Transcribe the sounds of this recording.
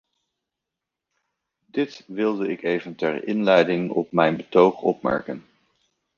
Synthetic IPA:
dɪtʋɪlˠdəɪkejvəntɛɹɪ̰nlɛjdɪŋɔ̰p̚mɛjnbətowχɔpmɛ̰ɹkən

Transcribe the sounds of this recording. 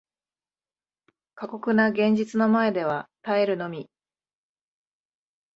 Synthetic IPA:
kako̞kɯ̟naɡẽ̞ɲ̟d͡ʑit͡sɨno̞mae̞d̪e̞β̞at̪aeɾɯ̟no̞mʲi

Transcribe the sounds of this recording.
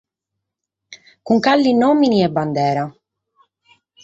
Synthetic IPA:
kuŋkalːinɔːminiɛbːand̪ɛːɾa

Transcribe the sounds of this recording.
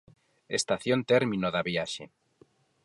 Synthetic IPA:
ḛst̪aθjont̪eɾmĩnoðaβjaʃḛ

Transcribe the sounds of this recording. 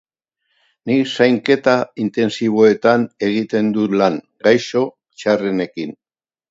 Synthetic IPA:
nisajŋke̞t̪aint̪e̞nsiβ̞o̞e̞t̪ane̞ɣit̪e̞nd̪ulaŋ | ɡajso̞ | t͡ʃarene̞kin

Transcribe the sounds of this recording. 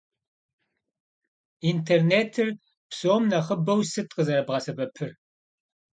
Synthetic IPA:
intʰerneːtʰɨr | psoːmnɐχəbɐwsɨtʼqʼəzɐɾɐbʁɐsɐbɐpʰɨr

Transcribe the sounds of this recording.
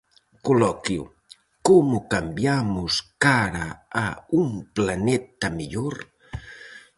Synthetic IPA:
kulɔkjṵ | komukambjamuskaɾaaumplanɛt̪ɐmiʎoɾ

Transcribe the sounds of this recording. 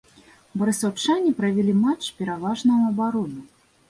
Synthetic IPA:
bɐɾɨsawt͡ʂanʲipɾɐvʲilʲimat͡ʂpʲɛɾavaʐnɐuɐbaɾɔnu

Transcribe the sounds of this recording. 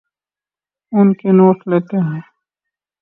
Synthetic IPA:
ʊnkenoːʈlet̪eɦɛ̃ː

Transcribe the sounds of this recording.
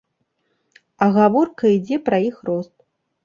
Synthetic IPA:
ɐɣavɔrkɐid͡zʲɛpɾɐjixrɔst̪̚

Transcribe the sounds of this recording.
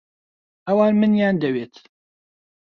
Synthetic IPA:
ʔɐwaːnmɨnjaːnd̪ɐweːt̪

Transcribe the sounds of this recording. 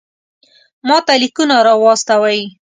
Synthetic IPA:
mɑt̪alikunaɾɑwɑst̪awaj

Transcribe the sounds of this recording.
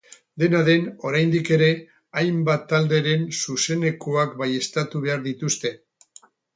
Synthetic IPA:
d̪e̞naðe̞no̞ɾajnd̪ike̞ɾe̞ | ajmbat̪ːald̪eɾe̞nsuse̞ne̞koakbaje̞st̪at̪uβe̞aɾðit̪ust̪e̞

